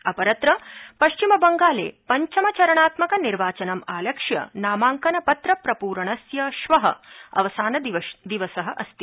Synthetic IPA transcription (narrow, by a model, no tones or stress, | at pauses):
ɐpɐɾɐt̪ɾɐpɐʃt͡ʃimɐbɐŋɡaːlḛːpɐɲt͡ʃɐmɐt͡ʃɐɾɐɳaːt̪mɐkɐniɾʋaːt͡ʃɐnɐmaːlɐkʂjɐ̰naːmaːŋkɐnɐpɐt̪ɾɐpɾɐpuːɾɐɳɐsjɐʃʋɐɦɐ̰ɐ̰ʋɐsaːnɐd̪ʋd̪iʋɐsɐɦɐʔɐ̰st̪i